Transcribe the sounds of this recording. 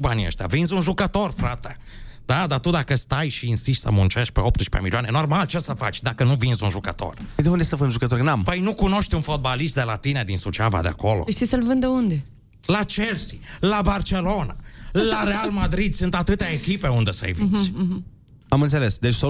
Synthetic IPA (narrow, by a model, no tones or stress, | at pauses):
banɐ̰̃ʃt̪ɐvĩzũʒukat̪oɾfɾat̪ɐ | d̪ad̪at̪ud̪akɐst̪ajʃiĩsiʃt̪a̰mõnt͡ʃɛʃpɛɔp̚t̪ɐʃpɐ̰milanɛnɔɾmalt͡ʃɛsɐfat͡ʃd̪akɐnɐ̃w̃vĩzũʒoka̰t̪o̰ɾ̃t̪ɐ̃w̃õnd̪ɛsɐfɐj̪̃ʒukɐt̪oɾknɐ̃mpɐinũkõnɔʃt̪ẽũfɔt̪̚baliʃt̪d̪ɐlat̪inɐd̪ĩsut͡ʃava̰d̪ɐ̰kɔl̰ʃt̪isɐlvɐ̃nd̪ɐõnd̪ɪ | lat͡ʃɛɾsilabaɾselonɐlaɾealmad̪ɾid̪sẽnt̪at̪ut̪aekipɛõnd̪ɐsḛjvĩs | amɐ̃z̬ɛlɛsd̪eʃsɔ